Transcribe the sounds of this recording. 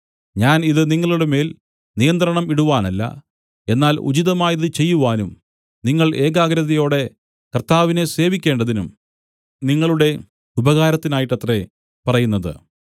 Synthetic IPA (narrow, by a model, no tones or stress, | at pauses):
ɲaːniðɨniŋːɐɭuɽeme̞ːl | nijɐnt̪ɾɐɳɐmiɽuʋaːnɐlːɐ̰ | e̞nːaːlṵd͡ʑiðɐmaːjɐðɨt͡ɕe̞jːuʋaːnum | niŋːɐɭe̞ːɡaːɡɾɐðɐjo̞ːɽe̞ | kɐrt̪ːaːʋine̞se̞ːʋikʲːe̞ːɳɖɐðinum | niŋːɐɭuɽe̞ | ubɐɣaːɾɐt̪ːinaːjiʈːɐt̪re̞ | pɐrɐjunːɐðɨ̰